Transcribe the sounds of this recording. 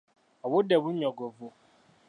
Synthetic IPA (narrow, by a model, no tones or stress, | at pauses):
ɔwʊdɛbʊɲɔɡovo